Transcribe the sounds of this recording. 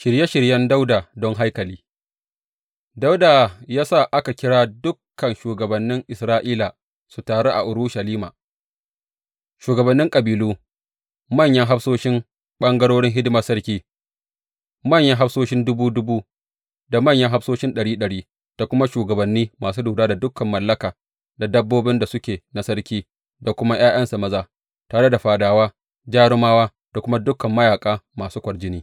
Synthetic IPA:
ʃɪ˨ɾje˦ʃɪ˨ɾjɐ˦nda˦wdaː˨dɔ˦ŋɦa˦jkɐ˨liː˦ | da˦wdaː˨jaː˦sa˦˨ʔa˦ka˨kʲɪ˦ɽaː˦dʊ˦kːɐ˨nʃuː˨ɡɐ˨bɐ˨nːɪ˦ŋʔɪ˨sɾaː˦ʔiː˦la˨ | su˨taː˨ɽo˦ʔa̰˨ʔʊ˨ɾu˦ʃa˨liː˦ma̰ː˨ | ʃuː˨ɡɐ˨bɐ˨nːɪ˦ŋkʼɐ˨biː˨luː˦ | mɐ˦˨ɲjɐ˦ŋɦa˦ɸsoː˦ʃɪ˦m | ɓɐ˦ŋɡɐ˦ɽoː˦ɽɪ˦ŋɦɪ˦dɪ˦ma˦sɐ˦ɽkʲiː˦ | mɐ˦˨ɲjɐ˦ŋɦa˦ɸsoː˦ʃɪ˦ndʊ˦buː˦dʊ˦buː˦ | da˨mɐ˦˨ɲjɐ˦ŋɦa˦fsoː˦ʃɪ˦nɗɐ˨ɽiː˦ɗɐ˨ɽiː˦ | d̥a˨kʷʊ˦ma˦ʃuː˨ɡɐ˨bɐ˨nːiː˦maː˨suː˦duː˨daː˦da˨dʊ˦kːɐ˨mːɐ˨lːɐ˦kaː˨ | da˨dɐ˦bːoː˦bɪ˦nda˨sʊ˦kʲeː˨na˨sɐ˦ɽkʲiː˦ | da˨kʷʊ˦ma˦j̰aː˦j̰ɐ˦nsa˨mɐ˦zaː˦˨ | taː˨ɽe˦da˨ɸaː˨daː˨waː˦ | d͡ʒaː˦ɽʊ˦maː˦waː˦ | d̥a˨kʷʊ˦ma˦dʊ˦kɐ˨mːɐ˦jaː˨kʼaː˦maː˨suː˦kʷɐ˨ɽd͡ʒɪ˦niː˦

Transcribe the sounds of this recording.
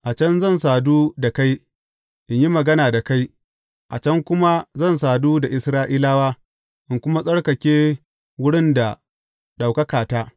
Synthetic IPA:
ʔa˨t͡ʃɐ˦nzɐ˦˨nsaː˨duː˦da˨ka˦j | ʔɪ˨ɲji˦mɐ˨ɡɐ˦naː˨da˨ka˦j | ʔa˨t͡ʃɐ˦ŋkʷʊ˦ma˦zɐ˦˨nsaː˨duː˦da˨ʔɪ˨sɾaː˦ʔiː˦laː˦waː˦ | ʔɪ˨ŋkʷʊ˦ma˦sʼɐ˦ɽkɐ˨kʲeː˦ | wʊ˦ɽɪ˦nda˨ | ɗa˨wkɐ˦kaː˨taː˦

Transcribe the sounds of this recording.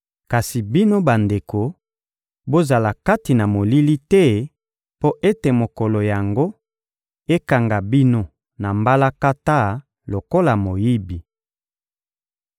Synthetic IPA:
ka˨si˨bi˦no˦ba˨nde˨ko˨ | bo˦za˨la˨ka˦ti˨na˨mo˨li˦li˦tɛ˦ | po˦ʔe˦te˨mo˨ko˨lo˨ja˨ŋɡo˦ | e˦ka˨ŋɡa˨bi˦no˦ | na˨mba˦la˦ka˦ta˦ | lo˨ko˦la˨mo˨ji˦bi˨

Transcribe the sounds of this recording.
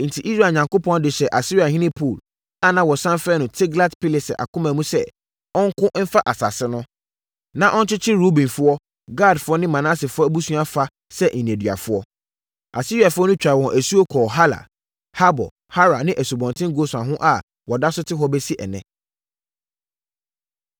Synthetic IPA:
n̩˨tʰi˨ʔi˦sɾa˦˨ɲã˨ŋko˦pʰɔ̃˦n˦dɪ˨ɕɛ˨ʔa˨si˦ɾi˦a˨hĩ˦nɪ̃˦pʰu˨l | a˦nã˨wɔ˨sã˦nfɾɛ˦nʊ̃˨tʰɪ˦ɡla˦tpʰi˦le˨sɪ̰˨ʔa̰˨kʰʊ̃˦mã˨mũ˦sɛ˦ | ɔ̃˦ŋ̩˦kʰʊ̃˦ʔm̩˦fa˦ʔa˨sa˨sɪ˦nʊ̃˦ | nã˨ʔɔ˦n˦t͡ɕʰɪ˦t͡ɕʰɪ˦ɾu˦bĩ˨fʊ˦ɔ˦ | ɡaː˦˨dfʊ˦ɔ˦nɪ̃˦mã˨nã˦sɪ˨fʊ˦ɔ˦bu˦sũ˦a˦fa˦ | sɛ˦ʔn̩˨n˨ẽ˨dɥa̰˨fʊ˦ɔ˦ | a̰˨si˦ɾi˨a˨fʊ˦ɔ˦nʊ̃˦t͡ɕᶣa˨wɔ̃˨nʔæ˨su˦o˦kʰɔː˨ɦa˦la̰˨ | ha˦bɔ̰˨ | ha˦ɾa˨nɪ̃˦ʔæ˨su˨bɔ̃˨ntʰɪ̃˦ŋɡo˦sã˨ɦʊ̃˦ʔa˨ | wɔ˨da˦sʊ˦tʰɪ˦ɦɔ˦bɛ˦si˦ʔɛ̰˨nɛ̰̃˨

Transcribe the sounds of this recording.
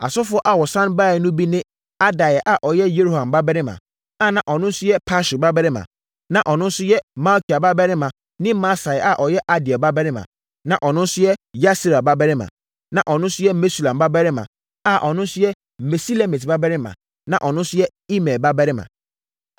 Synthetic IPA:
a̰˨sʊ˦fʊ˦ɔ˦ʔa˨wɔ˨sã˦nba˦˨ɛ˨nʊ̃˦bi˦nɪ̃˦ | a˦da˨jɛ˨ʔa˨ʔɔ˨jɛ˦je˦ɾo˨hã˨mba˦bɛ˦ɾɪ˦mã̰˨ | a˦˨nã˨ʔɔ˨nʊ̃˦n̩˦sʊ˦jɛ˦pʰa˦ʃu˨ba˦bɛ˦ɾɪ˦mã̰˨ | nã˨ʔɔ˨nʊ̃˦n̩˦sʊ˦jɛ˦ma˦lkʰi˨a˨ba˦bɛ˦ɾɪ˦mã˨ | nɪ̃˦ma˦sa˨ɛ˨ʔa˨ʔɔ˨jɛ˦ʔa˦dɪ˨a˨ba˦bɛ˦ɾɪ˦mã̰˨ | nã˨ʔɔ˨nʊ̃˦n̩˦sʊ˦jɛ˦ja˦si˦ɾa˨ba˦bɛ˦ɾɪ˦mã̰˨ | nã˨ʔɔ˨nʊ̃˦n̩˦sʊ˦jɛ˦me˦su˨lã˨mba˦bɛ˦ɾɪ˦mã̰˨ | a˨ʔɔ˨nʊ̃˦n̩˦sʊ˦jɛ˦ | me˨si˦le˦mi˨tba˦bɛ˦ɾɪ˦mã̰˨ | nã˨ʔɔ˨nʊ̃˦n̩˦sʊ˦jɛ˦ | i˦mɛ˨ba˦bɛ˦ɾɪ˦mã̰˨

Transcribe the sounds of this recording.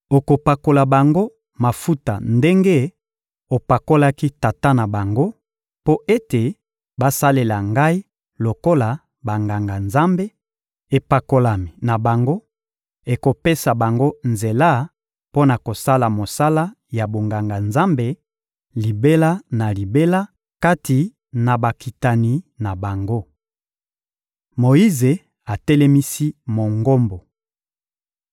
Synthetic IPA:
o˨ko˨pa˨ko˨la˨ba˨ŋɡo˦ | ma˨fu˦ta˨nde˦ŋɡe˦ | o˨pa˨ko˦la˦ki˦ta˨ta˦na˨ba˨ŋɡo˦ | po˦ʔe˦te˨ | ba˦sa˦le˨la˨ŋɡa˦i˦ | lo˨ko˦la˨ | ba˨ŋɡa˨ŋɡa˨nza˦mbe˦ | e˨pa˨ko˨la˨mi˨na˨ba˨ŋɡo˦ | e˨ko˨pe˦sa˨ba˨ŋɡo˦nze˨la˦ | po˦na˨ko˨sa˦la˨mo˨sa˦la˦ | ja˨bo˨ŋɡa˨ŋɡa˨nza˦mbe˨ | li˨be˦la˦na˨li˨be˦la˦ | ka˦ti˨ | na˨ba˨ki˨ta˨ni˨na˨ba˨ŋɡo˦ | mo˨ji˦ze˨ | a˨tɛ˦lɛ˦mi˦si˦mo˨ŋɡo˦mbo˨

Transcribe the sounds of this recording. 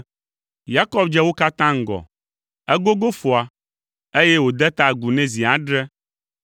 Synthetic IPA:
ja˦kɔ˦bd͡ʒɛ˦wo˦ka˦t̪ã˦ŋ̩˨ɡɔ̰˨ | ɛ˦ɡo˦ɡo˦fo˨a˨ | e˦jɛ˦wo˨d̪ɛ˦t̪a˦˨ɡu˨nɛ̃˦zi˨a˨ɖɾɛ˦

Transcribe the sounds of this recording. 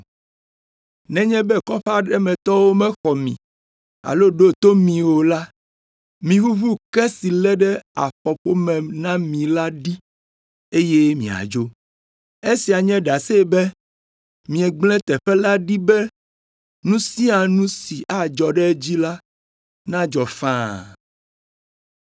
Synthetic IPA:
nɛ̃˦ɲɛ̃˦bɛ˦kɔ˦ɸa˦ɖɛ˦mɛ̃˨t̪ɔ˦wo˦mɛ̃˦xɔ˨mḭ̃˨ | a̰˨lo˦ɖo˦t̪o˦mĩ˨wo˨la˦ | mĩ˨ɦu˦βu˦kɛ˦si˨lɛ˦ɖɛ˦a̰˨ɸɔ˨ɸo˦mɛ̃˨nã˦mĩ˨la˦ɖi˦ | e˦je˦mĩ˨a̰˨d͡ʒo˦ | e˦si˨a˨ɲɛ̃˦ɖa˨sɛ˦bɛ˦ | mĩ˨ɛ̃˨ɡ͡blɛ̃˦t̪ɛ˨ɸɛ˦la˦ɖi˦bɛ˦ | nũ˦si˦a˨nũ˦si˨ʔa˨d͡ʒɔ˨ɖɛ˦d͡ʑi˦la˦ | nã˦d͡ʒɔ˨fã˦

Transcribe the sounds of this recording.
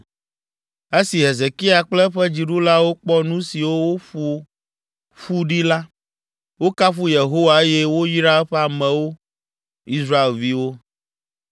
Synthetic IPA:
e˦si˨ɦe˨ze˨ki˦a˨k͡plɛ˦ɸɛ˦d͡ʑi˨ɖu˦la˦wo˦k͡pɔ˦nũ˦si˨wo˦wo˦ɸu˦ | ɸu˦ɖi˦la˦ | wo˦ka˦ɸu˦je˨ɦo˦wa˨e˦jɛ˦wo˦ji˦ɾa˦ɛ˦ɸɛ˦a˨mɛ̃˨wo˦ | i˦sɾa˦e˨lvi˦wo˦

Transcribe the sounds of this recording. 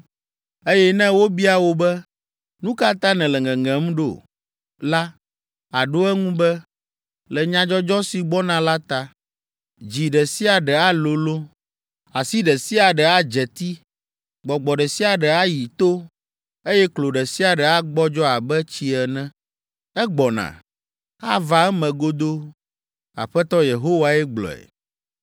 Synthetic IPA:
e˦jɛ˦nɛ̃˦wo˦bi˦a˨wo˦bɛ˦ | nũ˦ka˦t̪ã˦nɛ̃˨lɛ˨ŋɛ̃˨ŋɛ̃˨m˦ɖo̰˨ | la˦ | a˨ɖo˦ɛ˦ŋũ˦bɛ˦ | lɛ˨ɲã˨d͡ʒɔ˦d͡ʒɔ˦si˨ɡ͡bɔ˦nã˦la˦t̪a˨ | d͡ʑi˨ɖɛ˨si˦a˨ɖɛ˨a˦lo˨lo˦ | a˨si˦ɖɛ˨si˦a˨ɖɛ˨a˦d͡ʒɛ˨t̪i˦ | ɡ͡bɔ˨ɡ͡bɔ˨ɖɛ˨si˦a˨ɖɛ˨a˦ji˨t̪o˦ | e˦jɛ˦klo˨ɖɛ˨si˦a˨ɖɛ˨a˦ɡ͡bɔ˦d͡ʒɔ˦a˨bɛ˦t͡ɕi˦ɛ˨nɛ̃˦ | ɛ˦ɡ͡bɔ˨nã̰˨ | a˦va˨ɛ˦mɛ̃˨ɡo˦d̪o˦ | a̰˨ɸɛ˦t̪ɔ˦je˨ɦo˦wa˨ɛ˦ɡ͡blɔ̰˨ɛ̰˨

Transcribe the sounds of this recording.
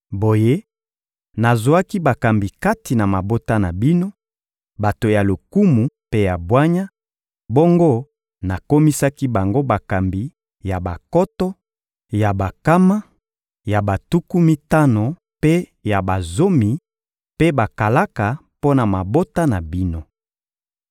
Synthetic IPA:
bo˨je˦ | na˨zwa˦ki˦ba˨ka˨mbi˨ka˦ti˨na˨ma˨bo˦ta˦na˨bi˦no˦ | ba˨to˨ja˨lo˨ku˦mu˨pe˦ja˨bwa˦ɲa˦ | bo˦ŋɡo˦ | na˨ko˦mi˦sa˦ki˦ba˨ŋɡo˦ba˨ka˨mbi˨ | ja˨ba˨kɔ˦tɔ˦ | ja˨ba˨ka˦ma˦ | ja˨ba˨tu˦ku˦mi˦ta˦no˨ | pe˦ | ja˨ba˨zo˦mi˨ | pe˦ba˨ka˨la˦ka˨ | po˦na˨ma˨bo˦ta˦na˨bi˦no˦

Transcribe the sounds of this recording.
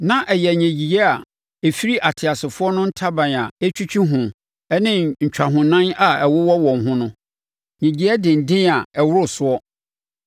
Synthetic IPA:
nã˦ʔɛ˨jɛ˨ɲæ̃˨d͡ʑi˨ɛ˦a˨ | e˨fi˦ɾi˦ʔa˨tʰɪ˨a˨sɪ˨fʊ˦ɔ˦nʊ̃˦n̩˦tʰa˦bã˨na˨e˦t͡ɕʰᶣu˦t͡ɕʰᶣi˦ɦʊ̃˨ | ɛ˦nɪ̃˦ɲ̩˨t͡ɕᶣa˨ɦʊ̃˨nã˦na˨ɛ˨wʊ˦wɔ˦wɔ̃˨n˨ɦʊ̃˦nʊ̃˦ | ɲĩ˨d͡ʑi˨ɛ˦dɪ̃˨n̩˨dɪ̃˦na˨ɛ˨wʊ˦ɾʊ˦˨sʊ˦ɔ˦

